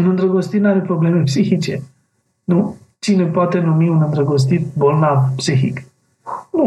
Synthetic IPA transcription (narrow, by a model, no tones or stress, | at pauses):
nɐ̃nd̪ɾɐɡost̪inaɾepɾobleːmepsixit͡ʃe | nu | t͡ʃinopɔt̪enumiunɐnd̪ɾɐɡos̬t̪it̪bolnavpsixḭk | nu